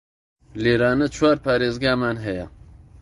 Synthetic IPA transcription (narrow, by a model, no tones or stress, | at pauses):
leːɾaːnɨt͡ʃʰwaːɾpʰaːɾeːzɡaːmanɦɛja̰